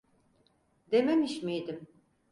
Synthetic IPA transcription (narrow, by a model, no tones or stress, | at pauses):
d̪ememiʃmijd̪im